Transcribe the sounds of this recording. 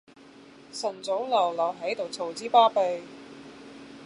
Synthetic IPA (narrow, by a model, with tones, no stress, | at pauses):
sɐ˨˩nt͡so˨˥wlɐ˨˩wlɐ˨˩wɦɐ˨˥jt̪o˨wt͡sʰo˨˩wt͡siː˥paː˥pe˧j